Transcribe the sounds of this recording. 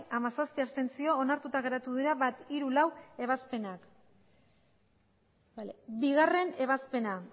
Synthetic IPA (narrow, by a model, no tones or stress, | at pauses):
amasasp̪iast̪e̞nt͡sio̞ːnaɾt̪ut̪aɣe̞ɾat̪uðiɾaβat̪iɾulawe̞β̞aspe̞nak | lbiɣ̞are̞ne̞β̞aspe̞na